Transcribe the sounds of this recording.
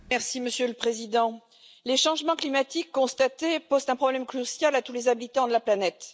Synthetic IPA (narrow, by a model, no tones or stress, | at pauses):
mɛʁsiməsjøləpχezid̪ɑ̃ | leʃɑ̃ʒmɑ̃klimat̪ikːɔ̃st̪at̪epozt̪ɛ̃pχɔblɛmklysjalat̪ulezabilit̪ɑ̃d̪əlaplanɛt̪